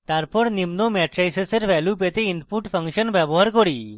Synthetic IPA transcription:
t̪aɾpɔɾnimnomɛʈɾajseseɾbɛljupet̪einpuʈpʰəŋʃɔnbɛboɦaɾkoɽi

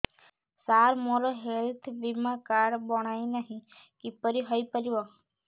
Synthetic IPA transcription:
saːɾmoɾoɦelt̪ʰbimakaːɽbɔɽ̃aːinəɦĩ | kipəɾiɦɔipəɾiʋa

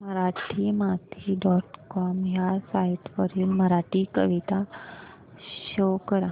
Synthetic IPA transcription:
məɾaʈʰimat̪ʰiɖɔʈkɔmjaɾsaiʈpəɾilməɾaʈikəʋit̪a | ʃoːkəɾã

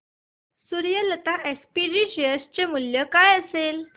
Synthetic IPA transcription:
suɾjələt̪aʔespiɾid͡ʑiəst͡ɕemuljəkajəsel

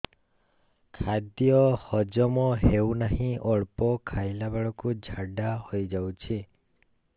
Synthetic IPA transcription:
kʰad̪jɔhɔd͡ʒɔmɔɦewnaɦĩʔɔɭpɔkʰajlabaɭɔkud͡ʒʱaɖahojd͡ʒawt͡ʃʰi

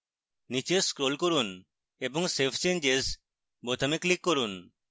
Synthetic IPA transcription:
nit͡ʃeskɾolkoɾun | ebɔŋsepʰt͡ʃẽɲd͡ʒes | bot̪ʰameklikːoɾun

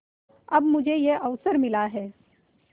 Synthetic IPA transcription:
ɐbmʊd͡ʒʱejeʔɐʋsəɾmɪlaɦɛː

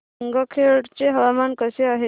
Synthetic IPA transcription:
ŋɡɔkʰeʈt͡ɕeɦəʋamankəseaɦe

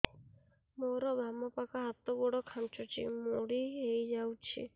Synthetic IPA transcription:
moɾɔbamɔpakaɦat̪ɔɡɔɽɔkʰant͡ʃɔt͡ʃʰḭmoɽiɦejd͡ʒawt͡ʃʰḭ

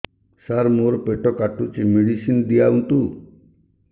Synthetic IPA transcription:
saɾmoɾɔpeʈɔkaʈut͡ʃimiɽisind̪ijaunt̪u

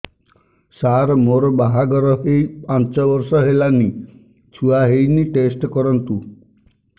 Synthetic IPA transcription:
saɾmoɾɔbaɦaɡɔɾɔɦejpãnt͡ʃɔbɔɾsɔɦelani | t͡ʃʰuaɦejniʈesʈkɔɾɔnt̪u

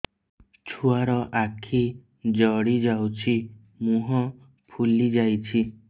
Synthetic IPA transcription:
t͡ʃʰuaɾɔʔakʰi | d͡ʒɔɽid͡ʒawt͡ʃʰi | mũɦɔ̃ | pʰulid͡ʒajt͡ʃʰi

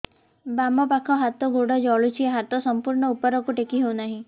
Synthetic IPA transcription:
bamɔpakʰɔɦat̪ɔɡoɽɔd͡ʒɔɭut͡ʃʰieɦat̪ɔsɔmpuɾɳɔupɔɾɔkuʈekiɦewnaɦĩ

